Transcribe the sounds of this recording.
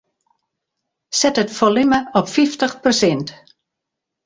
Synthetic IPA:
sɛtətfɔlɪməɔpfiftəχprosɛnt

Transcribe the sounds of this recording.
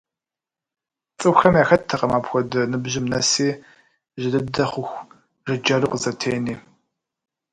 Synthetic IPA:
t͡sʼɨxxɐmjaːxɐtʰːɐqɐmaːpxʷɔdɐnɨbʑɪmnɐsiː | ʒɪdɨdɐχʷʊxʷ | rɨd͡ʒɐrɨqzɐtʰeːniː

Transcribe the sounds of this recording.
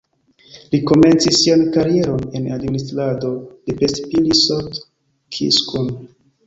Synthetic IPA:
liko̞me̞nt͡sisːiankaɾie̞ɾo̞ne̞nadministɾado̞depestpilisot | kʰḭskun

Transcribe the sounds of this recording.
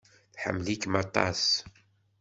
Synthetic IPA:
θħə̰mːlikmɑt̪ˤːɑ̰s

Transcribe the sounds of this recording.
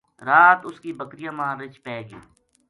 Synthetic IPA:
ɾaːt̪ʊskiːbəkɾɪjãːmãːɾɪt͡ʃpɛːɡiː

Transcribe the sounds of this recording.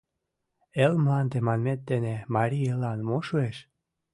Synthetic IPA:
elmlɑnd̪emɑnmet̪ːenemɑɾʲijelɑnmoʃueʃ

